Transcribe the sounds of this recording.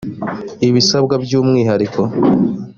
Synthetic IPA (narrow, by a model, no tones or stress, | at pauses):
iβisabɡabjuːmŋiːɦaɾiko